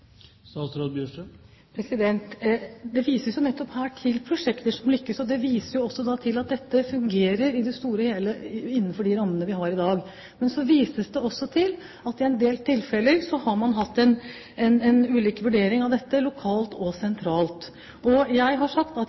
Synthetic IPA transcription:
sɑsɾɑd̪̚bjøːʂə | pʰɾɛsɪd̪ɛnt̪d̪ɛʋiːsəsjʊnɛt̪ːɔphæːʈʰɪlpʰɾʊʂɛkt̪əʂɔmlʏkːəsɔd̪ɛʋiːsəɾjʊɔsːɔd̪ɑt̪ʰɪlɑt̪̚d̪ɛt̪ːəfʉŋɡeːɾəɾɪd̪ɛst̪uːɾəheːləɪnːənfɔɖɪɾɑmːənəʋɪɦɑɾɪd̪ɑːɡ | mɛnsɔʋiːsəsd̪ɛɔsːɔt̪ʰɪl | ɑt̪ɪɛnd̪eːlt̪ʰɪlfɛləɾsɔhɑɾmɑnɦɑt̪ːɛn | ɛnɛnʉːliːkʋʉɖeːɾɪŋɑʋd̪ɛt̪ːəlʊkʰɑːlt̪ɔsɛnt̪ʰɾɑːlt̪ | ɔjæɪɦɑʂɑkt̪ɑt̪

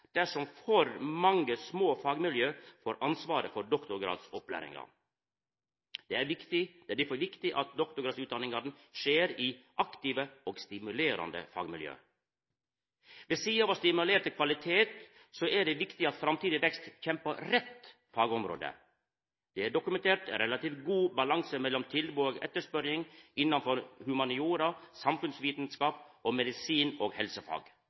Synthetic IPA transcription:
d̪̥æʂɔmfɔɾmɑŋəsmoːfɑːɡmɪljøːfoːɾʔɑnsʋɑːɾəfɔɖɔkt̪ʊɾɡɾɑ̰ːd̪sɔplæ̰ːɾɪ̰ŋɑ̰ | d̪̥ɛæɾʋɪkt̪ɪd̪̥ɛɖɪfɔʋɪkt̪ɪʔɑt̪̚d̪ɔkt̪ʊɾɡɾɑːsʉːt̪̚d̪ɑnɪŋɑɾn̩ | ʂeːɾiːʔɑkt̪iːʋəɔɡst̪ɪmʉleːɾɑ̰nd̪ə̰fɑ̰ːɡmɪljø̰ː | ʋɛsiːɑʋɑst̪ɪmʉleːʈ̪əkʰʋɑlɪt̪ʰeːt̪ | soʔæɖɛʋɪkt̪ɪɑt̪fɾɑmt̪iːd̪ɪʋɛkst̪çɛmpəɾɛt̪ | fɑːɡɔmɾo̰ːd̪ə̰ | d̪̥ɛæɖʊkʉmɛnt̪ʰeːʈɾɛlɑt̪iːfɡuːbɑlɑŋsəmɛlːɔmt̪ʰɪlbuoːɡɛ̰t̪ːəʂpœɾjɪŋɪnːɑnfɔɾhʉmɑnɪuːɾɑsɑmfʉnsʋiːt̪nskɑːpʔoːmɛd̪ɪsiːnoːɡhɛlsəfɑ̰ːɡ

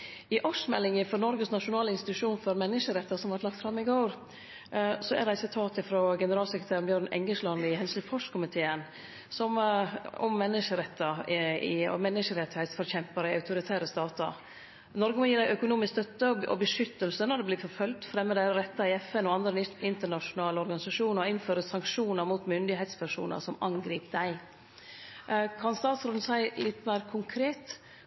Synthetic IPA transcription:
ɪʔɔʂmɛlːɪŋəfɔɾnɔɾɡəsnɑʂʊnɑːləɪnst̪ɪt̪ʉʂuːnfɔɾmɛnːəʂəɾɛt̪ːɑsɔmʋɑʈ̪lɑk̚t̪fɾɑmːɪɡoːɾ | sɔæ̰ɖ̪æɪsɪt̪ʰɑːt̪ɪfɾoɡɛnəɾɑːlsɛkɾət̪ʰæːɾnbjøːɾnɛ̰ŋɡəʂlɑnɪhɛnslʉfɔʂkʰʊmɪt̪ʰeːən | sɔmɔ̰mːɛnːəʂəɾɛt̪ːɑɪ̰mɛnːəʂəɾɛt̪ːɪhɛɪt̪sfɔɾçɛmpɑɾɪɑʉt̪ʊɾɪt̪ʰæːɾəst̪ɑːt̪ɑ̰ | nɔɾɡəmɔjiːɾd̪æɪʔœkʊnuːmɪskst̪œt̪ːəɔ̰bəʂʏt̪ːəlsənɔd̪ɛblɪːfɔɾfœlt̪fɾɛmːəd̪æɪɾɛt̪ːɑɪɛfɛnɔɑnd̪ɾəɪnt̪əɳɑʂʊnɑːləɔɾɡɑnɪsɑʂuːnɔɪnføːɾəsɑŋkʂuːnəɾmuːt̪mʏnd̪ɪɦɛɪt̪spʰæʂṵːnə̰ɾsɔmɑŋɡɾiːpd̪æɪ | kʰɑnst̪ɑːt̪sɾod̪n̩sæɪlɪt̪ːmæːɾkʰʊŋkʰɾeːt̪

